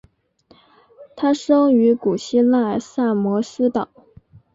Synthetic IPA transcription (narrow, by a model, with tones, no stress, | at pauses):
t̪ʰa˥ʂɤ˥ŋy˧˥ku˨˩ɕi˥la˥˩sa˥˩mwɔ˧˥sɹ̩˥t̪ɑ˨˩˦